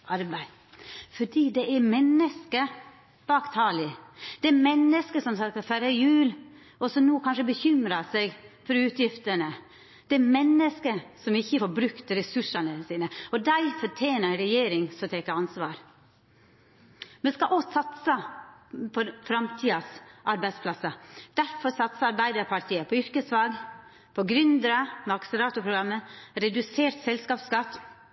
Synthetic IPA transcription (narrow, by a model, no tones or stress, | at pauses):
ɑɾbæɪ | fɔɖiːd̪ɛʔɛɾmɛnːəskə | b̥ɑːkt̪ʰɑːlɪd̪̥ɛːmɛnːəskəsɔmsɑkfæɾəjʉːl | ɔsɔmnoːkʰɑnʂəbəçʏmɾɑsɛɡfɔɾʉːt̪ʰjɪft̪əɳə | d̪̥ɛɛɾmɛnːəskəsɔmɪçːəfɔɾbɾʉkt̪ɾɛsʉʂɑnəsiːnəɔd̪æɪfɔʈʰjeːnəɾɾɛjeːɾɪŋsɔt̪ʰeːkəɑnsʋɑːɾ | mɛnskɑʔɔsɑt̪sə | pʰɔfɾɑmt̪ʰiːɑsʔɑɾbæɪspʰlɑsəd̪̥æɾfɔɾsɑt̪səɑɾbæɪd̪əɾpʰɑɾt̪ʰiːəpʰɔʏɾkəsʋɑːɡ | pʰɔɡɾʏnd̪ɾəmɛɑksɾɑːt̪ʊpʰɾʊɡɾɑmːəɾɛd̪ʉseːɾt̪sɛlskɑːpskɑt̪ː